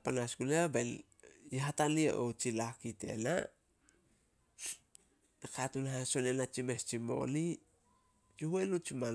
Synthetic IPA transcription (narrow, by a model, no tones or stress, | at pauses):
panasɡuleben | jiɦataliḛʔot͡ʃilakite̞̰na | ekatunhaso̞nenat͡ʃime̞st͡ʃimo̞̰li | t͡ʃuhuelut͡ʃima